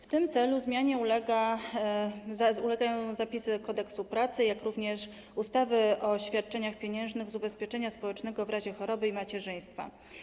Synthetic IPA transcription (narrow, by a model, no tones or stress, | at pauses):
ft̪ɘmt̪sɛluzmʲjaɲɛulɛɡa | ulɛɡajɔ̃w̃w̃zapʲisɘkɔd̪ɛksupɾat̪sɘjakɾuvɲɛʂ | ust̪avɘʔɔɕfʲjat̪̚t͡ʂɛɲaxpʲjeɲɛ̃w̃ʐnɘɣzubɛspʲjɛt͡ʂɛɲaspɔwɛt͡ʂnɛɡɔvɾaʑɛxɔɾɔbɘimat͡ɕɛʐɘj̃st̪fa̰